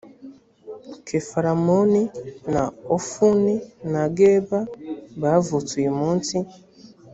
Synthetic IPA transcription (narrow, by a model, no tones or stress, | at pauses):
kʰefaɾamoninaofuninaɡebabavutwimunti